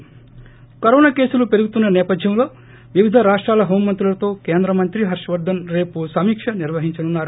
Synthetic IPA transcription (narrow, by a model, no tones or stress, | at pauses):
kɐɾoːnaːke̞ːsulupeɾuɡut̪unːɐnɛːpɐd̪ʱjɐmlo̞ː | ʋiʋid̪ʱɐɾaːʂʈɾaːlɐɦo̞ːmːɐnt̪ɾuulɐt̪o̞ːke̞ːnd̪ɾɐmɐnt̪ɾiɦɐɾʂɐʋɐɾd̪ʱːɐnɾe̞ːpusɐmiːkʂɐniɾʋɐɦiɲt͡ʃɐnunːaːɾu